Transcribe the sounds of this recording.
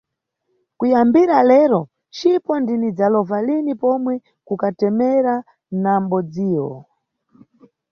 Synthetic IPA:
kujambiɾalɛɾɔ | t͡ʃipɔndinid͡zalɔvalinipɔmwɛ | kukatɛmɛɾa | nam̩bɔd͡ziːwɔ

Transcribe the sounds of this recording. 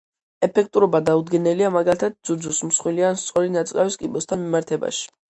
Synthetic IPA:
ɛpʰɛk̚ʰt̪ʼuɾɔbad̪aud̪ɡɛnɛliamaɡalit̪ʰad̪̚d̪z̥ud͡ʒusmsχwilianst̪sʼɔɾinat̪sʼkʼawiskʼibɔst̪ʰanmimaɾt̪ʰɛba̰ʃi̥

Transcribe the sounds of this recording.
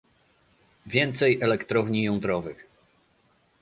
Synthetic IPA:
vʲjɛnt̪sɛjɛlɛkt̪ɾɔvɲijɔnd̪ɾɔvɘx

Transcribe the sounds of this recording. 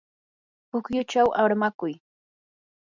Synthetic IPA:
pʊkjʊt͡ʃawʔaɾmakʊj

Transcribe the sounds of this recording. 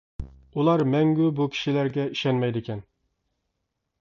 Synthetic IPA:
ulˠɑɾmɛŋɡʲybukʲʰi̥ʃilæɾɡʲɛiʃɛnmɛjd̪ɪkʲʰɛn

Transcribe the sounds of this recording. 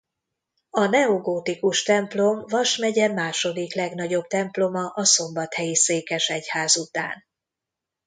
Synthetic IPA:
ɒnɛoɡoːt̪ikuʃt̪ɛmplo̞mvɒʃmɛɟɛmaːʃo̞d̪iklɛɡnɒɟo̞bt̪ɛmplo̞mɒʔɒso̞mbɒt̪hɛjiseːkɛʃɛchaːzut̪a̰ːn

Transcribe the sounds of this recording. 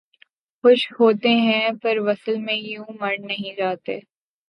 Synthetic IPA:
xʊʃhoːt̪eɦɛ̃pɐɾʋɐsəlmẽjũːmɐɽnɐɦĩd͡ʒaːt̪eː

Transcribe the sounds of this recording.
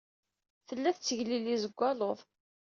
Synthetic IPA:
θəlːæθt͡sːəʝlilizəɡʷːɑloðˤ

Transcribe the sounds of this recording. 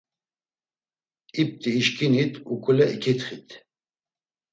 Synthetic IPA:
ip̚t̪ʰʼiːʃkʰinit̪ʰukʰʼulɛʔikʰit̪ʰχit̪ʰ

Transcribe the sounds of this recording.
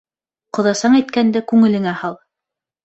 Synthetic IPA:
qŏðɑsɑɴæjt̪̚kænd̪ɘkʉŋɘ̆lɘ̆ŋæhɑlˠ

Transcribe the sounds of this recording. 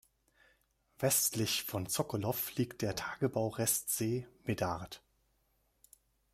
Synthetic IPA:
vɛstlɪçfɔnt͡sɔkɔlɔfliːkt̚d̥eːɐtʰaːɡəbaʊʁɛstz̥eːmedaʁt

